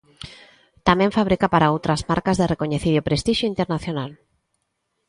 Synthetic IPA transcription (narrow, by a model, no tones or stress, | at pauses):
t̪amẽɱfaβɾikapaɾaowt̪ɾazmaɾkazðerekoɲeθiɾopɾest̪iʃjoint̪eɾnaθjonal